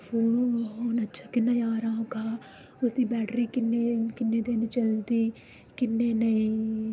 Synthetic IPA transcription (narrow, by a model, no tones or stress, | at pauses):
fuːɦoːnətːʃʰaːkɪnːãːjãːɾãːkaː | ʊsd̪iːbɛːɖɾiːkɪnːeːkɪnːeːd̪eːnẽt͡ʃəld̪iː | kɪnːeːnəĩː